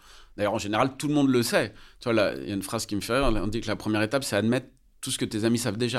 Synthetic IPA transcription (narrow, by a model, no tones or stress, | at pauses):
d̪̥ajœʁɑ̃ʒeneʁalt̪ulmɔ̃d̪ləsɛt̪yvala̰jʔa̰ynfχaz̥kʲiməfɛʁiɔ̃d̪ikəlapχəmjɛʁet̪apsɛad̪mɛt̪ | t̪ːusə̥kət̪ezamisavd̪eʒa